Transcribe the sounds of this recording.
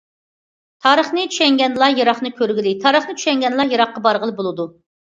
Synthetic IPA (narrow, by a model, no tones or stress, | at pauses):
t̪ʰɑːɾəχnɨt͡ʃ̪ʰy̥ʃɛŋɡʲɛnlˠɑjɑɾɑχnɨkʲʰøɾɡʲilɪt̪ʰɑːɾəχnɨt͡ʃ̪ʰy̥ʃɛŋɡʲɛnlˠɑjɑɾɑχqːɑbɑɾʁəlˠɨbolˠɨd̪u